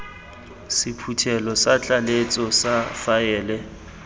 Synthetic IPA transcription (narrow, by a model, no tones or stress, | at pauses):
sɪpʰutʰɛlɔsat͡ɬʼalet͡sʼɔsafaɛːlɛ